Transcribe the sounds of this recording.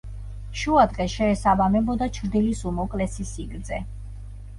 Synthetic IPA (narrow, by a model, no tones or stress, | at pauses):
ʃuad̪ʁɛʃɛːsabamɛbɔd̪at͡ʃʰɾd̪ilisumɔkʼlɛsisiɡɾd̪zɛ